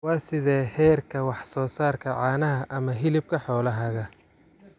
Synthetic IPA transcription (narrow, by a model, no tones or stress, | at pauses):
wɑːsɪðɛːhɛːrkʰɐwɑħsɔːsaːrkʰɐʕɑːnɐɦɐʔɐmɐɦɪlɪb̚kʰɐħɔːlɐɦɐɣɐ